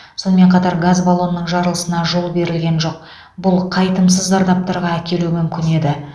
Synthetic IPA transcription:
so̞nəme̞ɴqʰɑt̪ɑɾɡazbalˠo̞nːəɴʒɑɾəlˠəsənɑʒo̞lˠbe̞ɾɪlɡʲe̞nʒo̞q̚ | bʊlˠqʰɑjt̪əms̬əzd̪ɑɾd̪ɑp̚t̪ɑɾʁɑækʲe̞lumʏmkʲɪne̞d̪ɪ

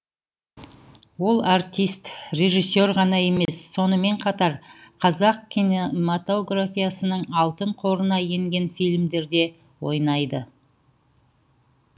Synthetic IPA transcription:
wo̞lˠart̪ʲijst̪re̞ʒisːo̞rʁɑnɑje̞me̞sːo̞nəme̞ɴqʰɑt̪ɑɾqʰɑzɑq̚kʲʰinemat̪o̞ɡrafʲijasənəɴɑlˠt̪əɴqʰo̞ɾənɑje̞ŋɡʲe̞nfijlʲmd̪e̞ɾd̪e̞ | wo̞̰jnɑjd̪ə

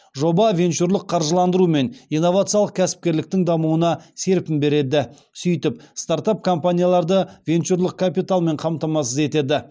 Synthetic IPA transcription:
ʒo̞bɑvʲe̞nt͡ʃuɾlˠəqʰːɑɾʒəlˠɑnd̪əɾume̞nijnːo̞vat̪sɨjaləq̚kʲʰæsɪ̥p̚kʲe̞ɾlɪk̚t̪ɪŋd̪ɑmuənɑse̞ɾpɪmbe̞ɾe̞d̪ɪ | sʏjt̪ɪpst̪aɾt̪ap̚kʰo̞mpanʲijalˠɑɾd̪əvʲe̞nt͡ʃuɾlˠəq̚kʰapijt̪alˠme̞ɴqʰɑmt̪ɑmɑsəze̞t̪e̞d̪ɪ

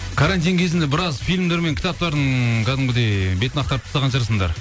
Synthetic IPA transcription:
kʰaɾant̪ijnkʲʰe̞zɪnd̪ebɪɾɑzfijlʲmd̪e̞ɾme̞ŋkʲʰɪt̪ɑp̚t̪ɑɾd̪əɴkʰʲæd̪ɪŋbɪd̪ebe̞t̪ɪnɑqt̪ɑɾəpt̪ʰst̪ɑʁɑnʃəɾsəɴd̪ɑ̰ɾ

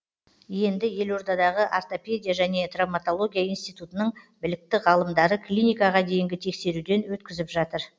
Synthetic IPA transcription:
je̞nd̪ɪje̞lo̞ɾd̪ɑd̪ɑʁəʔart̪o̞pʲe̞d̪ʲijaʒæne̞t̪ramat̪o̞lˠo̞ɡʲijaijnst̪ijt̪ut̪ənəɴbɪlɪk̚t̪ɪʁɑlˠəmd̪ɑɾəklʲinʲijkɑʁɑd̪e̞jɪŋɡʲɪt̪ʰe̞kse̞ɾud̪e̞nwɵt̪kʲɪzɪpʒɑt̪əɾ

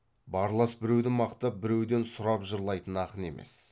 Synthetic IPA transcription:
bɑɾlˠɑsbɪɾewd̪ɪmɑqt̪ɑp̚bɪɾe̞wd̪e̞nsʊɾɑpʒəɾlˠɑjt̪ənɑqəne̞̰mʔe̞̰s

